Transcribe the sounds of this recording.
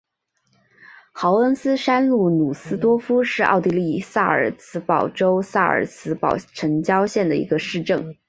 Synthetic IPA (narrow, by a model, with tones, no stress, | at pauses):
xɑ˧˥ʊə˥nsɹ̩˥ʂa˥nlu˥˩nu˨˩sɹ̩˥t̪wɔ˥fu˥ʂɻ̩˥˧ʔɑ̰˥˧ʊt̪i˥˧li˥˩sa˥˩ə̰˞˨˩t͡sʰɹ̩˧˥pɑ˨˩ʊʈ͡ʂo˥ʊsa˥˩ə̰˞˨˩t͡sʰɹ̩˥pɑ˨˩ʊʈ͡ʂʰɤ˧˥ŋt͡ɕjɑ˥ʊɕjɛ˥˩nd̪ə˩ḭ˧˥ɡə˧ʂɻ̩˥˧ʈ͡ʂɤ˥˩ŋ